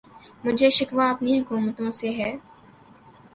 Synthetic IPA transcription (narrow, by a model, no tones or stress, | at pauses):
mʊd͡ʒʱeʃɪkʋaɐpnijãkɔːmət̪õseɦɛː